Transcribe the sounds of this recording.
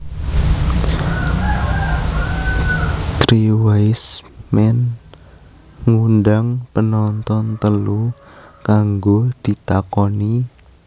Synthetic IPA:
t̪ɾiwajsmɛn | ŋunɖaŋpənɔnt̪ɔnt̪əlukaŋɡod̪̥i̤t̪akɔni

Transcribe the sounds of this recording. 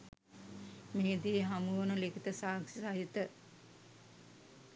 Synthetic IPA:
meːd̪ieɦamunəlekit̪əsaːŋsisaɦit̪ə

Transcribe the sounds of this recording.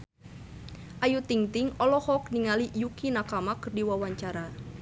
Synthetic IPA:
ʔajut̪iŋt̪ɪŋɔlɔhɔkniŋalijukinakamakərdiwawaɲt͡ʃaɾa

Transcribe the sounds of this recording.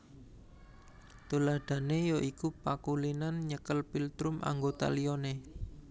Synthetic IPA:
t̪ulaɖ̪̥a̤nejoʔikupakulinanɲəkəlpilt̪ɾʊmʔa̰ŋɡot̪a̰lione

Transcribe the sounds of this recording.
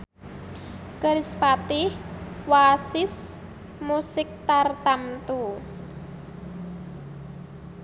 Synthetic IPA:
kəɾɪspat̪ɪhwasɪs | musɪk̚t̪art̪amt̪u

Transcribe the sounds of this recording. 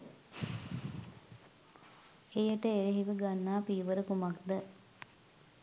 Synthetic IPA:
ejəʈəeɾeɦiʋəɡanːaːpiːʋəɾəkumakd̪ə

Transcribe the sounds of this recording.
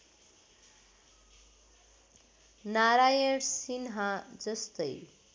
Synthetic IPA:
naɾajʌɽsinɦad͡zʌst̪ʌj

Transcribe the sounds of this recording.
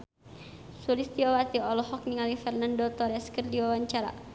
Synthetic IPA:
sulist̪iawat̪iɔlɔɦɔk̚niŋalifɛrnandɔt̪ɔɾɛskərdiwawaɲt͡ʃaɾa̰

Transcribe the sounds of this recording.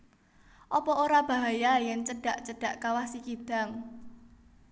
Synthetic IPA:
ʔɔpɔoɾab̥a̤ɦajajɛnt͡ʃəɖ̥a̤ʔt͡ʃəɖ̥ä̤ʔkawasikid̥a̤ŋ

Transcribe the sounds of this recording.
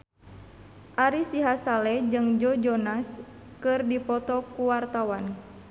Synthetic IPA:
ʔaɾisiɦasalɛd͡ʒɨŋd͡ʒɔd͡ʒɔnas | kɨrdipɔt̪ɔkuwart̪awan

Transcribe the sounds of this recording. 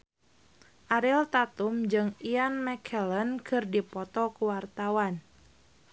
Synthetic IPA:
ʔaɾilt̪at̪umd͡ʒɨŋianmɛkʰɛlənkʰɨrdipɔt̪ɔkuwart̪awan

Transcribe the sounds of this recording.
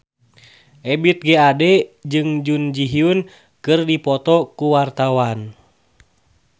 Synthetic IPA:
ʔɛbit̪̚ɡɛadɛd͡ʒɨŋd͡ʒund͡ʒiɦiun | kɨrdipɔt̪ɔkuwart̪awan

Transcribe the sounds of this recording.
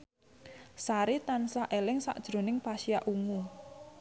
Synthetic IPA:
saɾit̪ansaʔelɪŋsa̰ʔd̥ʒ̥ɾo̤nɪŋpasiaʔuŋu

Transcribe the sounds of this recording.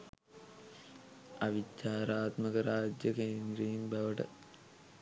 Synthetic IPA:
ɐʋit͡ɕːaːɾaːt̪mɐɣɐɾaːd͡ʑjɐkeːnd̪ɾɐjumbʱɐʋɐʈɐ̰

